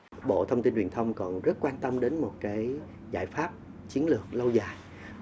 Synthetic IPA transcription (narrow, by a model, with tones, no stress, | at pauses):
ɓo̰˧˨t̪ʰə˧wŋ͡mt̪i˧nhwi˨˩ənt̪ʰə˧wŋ͡mkɔ˨˩nzə˦˥t̚kwaː˧nt̪ə˧mɗe˨˦nmo˨˩t̚kaː˨˦j | za̰ː˧˩jfaː˦˥p̚ | t͡ɕi˨˦ənlɨ˨˩ək̚lə˧wzaː˨˩j